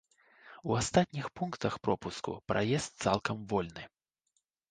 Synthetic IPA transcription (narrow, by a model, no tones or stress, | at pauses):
uast̪at̪ʲnʲixpunkt̪ɐxpɾɔpuskṵpɾʔajɛst̪̚t̪sa̰lˠkɐmvɔlʲnɨ